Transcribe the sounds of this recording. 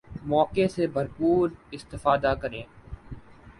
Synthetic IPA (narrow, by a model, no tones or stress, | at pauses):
mɔːkesebɐɾpuːɾɪst̪ɪfaːd̪akɐɾẽː